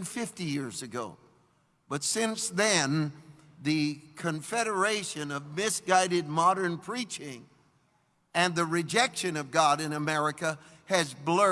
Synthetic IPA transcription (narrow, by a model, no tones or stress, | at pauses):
nfɪftijɪɹzɨɡoʊ | b̥ʌtsɪ̃nsðɨ̃n | ðɨkʰɨ̃ɱfɛɾə˞eɪʃɨ̃nʌvmɪsɡ̥aɪɾɨd̚mɑɾə̃˞npʰɹ̥it͡ʃɪ̃ŋ | ɨ̃nðɨɹɨd͡ʒɛkʃɨ̃nʌvɡɑɾɨ̃nɨmɛɹɨkə | ɨzblɜ